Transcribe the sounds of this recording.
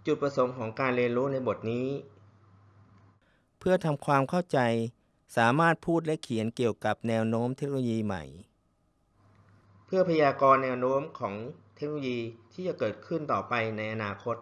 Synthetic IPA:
t͡ɕu˨˩t̪̚pɾa˧so˩˦ŋkʰɔː˩˦ŋkaː˧nɾi˧ənɾuː˦˥na˧jbo˨˩t̪̚niː˦˥ | pʰɯ˥˩ɐt̪ʰa˧mkʰwaː˧mkʰa˥˩wt͡ɕa˧j | saː˩˦maː˥˩t̪̚pʰuː˥˩t̪̚lɛ˦˥ʔkʰi˩˦ənki˨˩əwka˨˩p̚nɛː˧wnoː˦˥mt̪ʰe˦˥k̚noː˧jiː˧ma̰˨˩j | pʰɯ˥˩ɐpʰa˧jaː˧kɔː˧nːɛː˧wnoː˦˥mkʰɔː˩˦ŋt̪ʰe˦˥k̚no˧jiː˧t̪ʰiː˥˩t͡ɕa˨˩kɤː˨˩t̪̚kʰɯ˥˩nt̪ɔː˨˩pa˧jna˧jʔa˧naː˧kʰo˦˥t̪̚

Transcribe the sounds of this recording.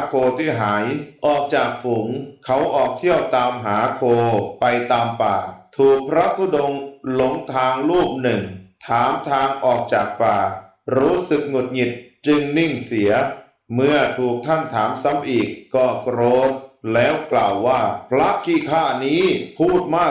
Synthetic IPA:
a˦kʰoː˧t̪ʰiː˥˩ɦaː˩˦jʔɔː˨˩k̚t͡ɕaː˨˩k̚fu˨˩˦ŋkʰa˦˥wʔɔː˨˩k̚t̪ʰi˥˩əwt̪aː˧mɦaː˩˦kʰoː˧pa˧jt̪aː˧mpaː˨˩t̪ʰuː˨˩k̚pʰɾa˦˥t̪ʰu˧˩do˧ŋlo˨˩˦ŋt̪ʰaː˧ŋɾuː˥˩p̚nɯ˨˩ŋt̪ʰaː˩˦mt̪ʰaː˧ŋʔɔː˨˩k̚t͡ɕaː˨˩k̚paː˨˩ | ɾuː˦˥sɯ˨˩k̚ŋo˨˩t̪̚ŋi˨˩t̪̚t͡ɕɯ˧ŋni˥˩ŋsi˩˦ɐ | mɯ˥˩ɐt̪ʰuː˨˩k̚t̪ʰa˥˩nt̪ʰaː˩˦msa˦˥mʔiː˨˩kːɔː˥˩kɾoː˦˥mlɛː˦˥wklaː˨˩wːaː˥˩pʰɾa˦˥kʰiː˧˥˩kʰaː˥˩niː˦˥pʰuː˥˩t̪̚maː˥˩

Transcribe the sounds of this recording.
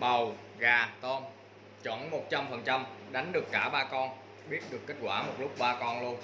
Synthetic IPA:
ɓə˨˩w | ɣaː˨˩t̪o˧n | t͡ɕɔ˧˩˨nmo˨˩t̚t͡ɕa˧mfə˨˩nt͡ɕa˧mɗa˨˦ŋ̟ɗɨ˨˩əkːaː˧˩ɓaː˧kɔ˧n | ɓi˦˥ət̚ɗɨ˨˩əkːe˦˥t̚kwaː˧˩mo˨˩t̚lʊ˦˥k͡p̚ɓaː˧kɔ˧nlu˧ən

